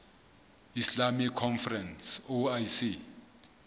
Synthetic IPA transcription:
islamikʰːɔnfɛrɛnsoajsi

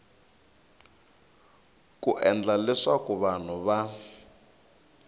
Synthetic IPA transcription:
kuʔɛnd͡ɮalɛʂakuβan̤uβa

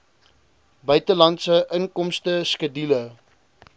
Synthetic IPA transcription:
bœɥtəlɐntsəʔəŋkɔmstəskədilə

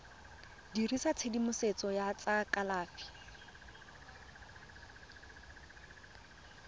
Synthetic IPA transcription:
dirisat͡sʰedimʊset͡sʼɔjat͡sʼakʼalaːfi̥

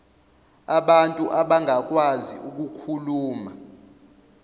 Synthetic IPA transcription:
aɓantʼuʔaɓaŋʱak̬ʼwazḭʔuk̬ukʰuluːma

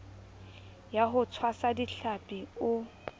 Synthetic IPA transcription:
jaɦʊt͡sʰwasadiɬapʼiʊ

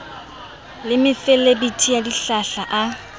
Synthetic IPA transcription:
lɪmɪfɛlebitʰʼijadiɬaɬaʔa

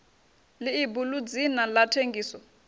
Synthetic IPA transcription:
liːbulud͡zinalatʰeŋɡʱiːsɔ

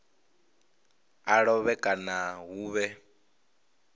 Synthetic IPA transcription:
aɺɔβɛkʼanaɣuːβɛ

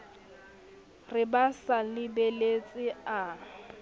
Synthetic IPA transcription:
rɪbasalɪbelet͡sʼɪa

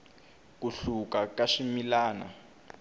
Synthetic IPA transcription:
kuɬukakaʂimilaːna̰

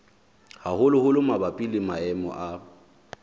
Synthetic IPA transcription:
hahʊlʊhʊlʊmabapʼilɪmaɛmɔ̰ʔa

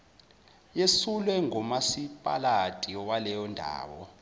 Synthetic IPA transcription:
jesulwɛŋɔmasipʼa̰latʼiɔwalɛjɔndʱa̰ːwɔ̰

